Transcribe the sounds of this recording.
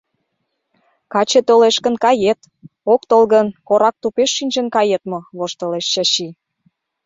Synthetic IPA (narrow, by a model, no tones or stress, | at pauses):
kɑt͡ɕet̪øleʃkə̆nkɑjet̪ | okt̪olɣənkoɾɑk̚t̪upeʃːinʲʒə̆nkɑjet̪moβoʃt̪ə̆leʃːɑɕi